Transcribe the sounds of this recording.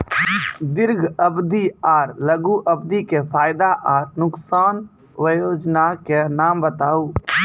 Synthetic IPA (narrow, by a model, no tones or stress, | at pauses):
d̪ɪɾɡʱəbd̪iaːɾləɡuʔəb̚d̪ikepʰaːɪd̪aʔaːɾnʊksaːn | ʋəjoːd͡ʒnakenaːmbət̪aːuː